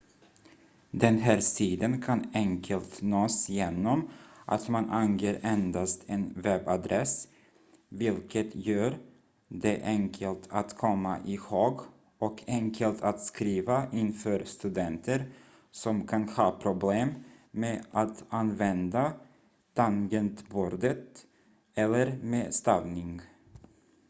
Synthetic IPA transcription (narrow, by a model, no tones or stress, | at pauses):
d̪ɛnɦæːɾsiːd̪ənkʰanɛŋkʰəlt̪noːsjeːnɔmʔa̰t̪manʔaŋjeːɾɛnd̪ast̪ʰɛnvɛbad̪ɾʔɛs | vɪlkʰət̪ʰjøːɾ | d̪ɛʔɛŋkʰəlt̪ʰat̪kʰɔmːa̰ʔɪhoːɡ | ɔkʰɛŋkʰəlt̪ʰat̪skɾiːvaɪnfœːɾst̪ɵd̪ɛnt̪ʰəɾ | sɔmkʰanhɑːpʰɾʊbleːmmeːʔat̪anvɛnd̪a | t̪ʰaŋɡənt̪buːɾd̪ət̪ | ɛlːəɾmeːst̪ɑvnɪŋ